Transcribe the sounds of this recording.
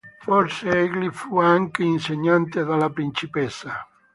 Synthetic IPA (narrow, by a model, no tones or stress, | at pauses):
fɔɾseɛɡlifuaŋkeinseɲːant̪eðalapɾint͡ʃipɛsːa